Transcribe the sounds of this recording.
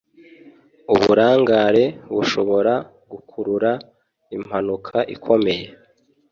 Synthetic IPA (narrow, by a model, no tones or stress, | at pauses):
uβuɾaːŋɡaɾe̞βuʃo̞βo̞ɾa | ɡ̥ukʰuɾuɾa | im̥hanukʰaʔikʰo̞me̞je̞